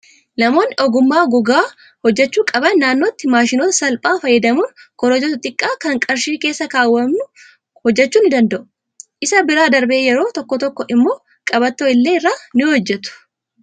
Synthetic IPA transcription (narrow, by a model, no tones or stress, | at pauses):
nɐmo̞ːnːɪɔɡʊmːaːɡʊɡaː | hɔd͡ʒːɛt͡ʃːuːkʼɐbɐnːaːnːoːt̪ːɪmaːʃɪnoːt̪ɐsɐlpʼaːfɐjːɛd̪ɐmuːnkɔɾɔd͡ʒɔt̪ʊt̪ʼɪkʼːaːkɐŋkʼɐɾʃiːke̞ːsːɐkaːwːɐmnʊ | hɔd͡ʒːɛt͡ʃːuːnːɪd̪ɐnd̪ɐʔʊ | ʔɪsɐbɪɾaːd̪ɐɾbe̞ːjɛɾo̞ːt̪ɔkːɔt̪ɔkːɔʔɪmːo̞ː | kʼɐbɐt̪ːoːɪlːeːɪrːaːnɪhɔd͡ʒːɛt̪ʊ̥